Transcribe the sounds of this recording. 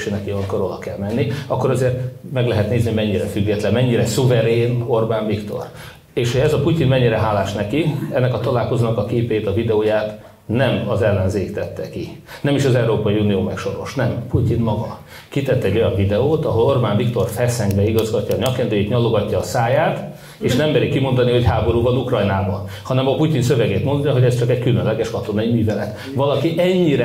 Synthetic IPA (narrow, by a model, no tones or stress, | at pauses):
ʃeːnɛkiɒŋkoɾod̪ɒkɛlmɛnːiɒkːoɾɒzeːrt̪mɛɡlɛɦɛt̪neːzniomɛɲːiɾɛfyɡːɛt̪lɛnmɛɲːiɾɛsuvɛɾeːno̞rbaːɱvikt̪o̞̰r | eːʃhoɛzɒpucinmɛɲːiɾɛɦaːlaːʃnɛkiɛnːɛkɒt̪ɒlaːlko̞zoːnɒkɒkeːpeːt̪ɒvid̪ɛoːjaːt̪ | nɛmɒzɛlːɛnzeːkt̪ɛt̪ːɛ̰ki | nɛmiʃɒzɛwɾoːpɒiunijoːmɛkʃo̞ɾo̞̰ʃnɛmpucinmɒɡɒ | kit̪ɛt̪ːɛɟːo̞jɒɱvid̪ɛoːt̪ɒɦo̞lo̞rbaːnvikt̪o̞rfɛsɛŋɡbɛiɡɒzɡɒcːɒːɲɒkːɛnd̪øːjiːt̪ɲɒlːoɡɒcːɒːsaːjaːt̪ | eːʃnɛmːɛɾikimo̞nd̪ɒniɦo̞chaːbo̞ɾuːvɒnukrɒjnaːbɒn | hɒnɛmɒpucinsø̞vɛɡeːt̪mo̞nd̪ɒɦo̞ɟɛst͡ʃɒkɛckylønlɛɡɛʃkɒt̪o̞nɒimyːvɛlɛt̪ | ʋɒlɒkiʔɛɲːiɾɛ